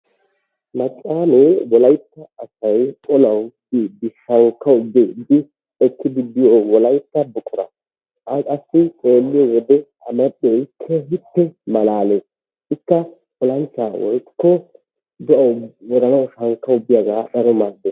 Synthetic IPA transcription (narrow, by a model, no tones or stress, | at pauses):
mɐt͡ʃʼːaːmewɔlɐjt̪ːɐːsɐjkʼɔnɐwdɪd̪ɪʃɐŋkːɐwʊbed̪ɪ | ɛkːɪd̪ɪd̪ɪjowɔlɐjt̪ːɐbʊkʼɔɾɐ̰ | ɐkʼɐsːɪt͡ʃʼe̞ːlːɪjɔwɔd̪ɛ | ɐ̰mɛɗːɛjkʰːɛhɪpːɛmɐlaːles | ɪkːɐ | kʼɔlɐnt͡ʃːaːwɔ̰jkːɔ | d̪ɛʔɐwwɔɾɐnɐwʃɐŋkːɐʊbːɪjaɡaːɗɐɾɔmad̪ːes